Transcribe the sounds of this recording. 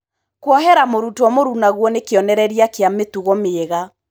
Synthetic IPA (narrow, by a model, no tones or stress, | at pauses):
kwɔɦɛɾamoɾutwɔmoɾunaɣwɔnekeɔnɛɾɛɾiakeametuɣɔmeːɣa